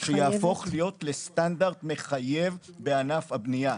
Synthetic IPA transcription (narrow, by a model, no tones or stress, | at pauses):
ʃejaːfo̞χlijo̞t̪lestandaʁd̪me̞χaje̞vbe̞anafhabnija